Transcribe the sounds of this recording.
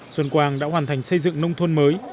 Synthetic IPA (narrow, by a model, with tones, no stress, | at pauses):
swə˨˧˩nkwaː˨˩ŋɗa̰ː˧˥ɦwaː˨˩nt̪ʰa˨˩jŋ̟sə˧jzɨ̰˧˨ŋnə˧wŋ͡mt̪ʰə˧nməː˨˦j